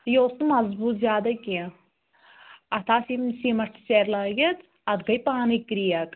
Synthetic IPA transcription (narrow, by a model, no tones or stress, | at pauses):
joːst̪umɐzbuːt̪zʲaːd̪ɐki | ɐt̪ʰaːsimsiːmɐʂʈseːɾlaːɡɐt̪ | ɐt̪ɡɐjpaːnikɾijɐk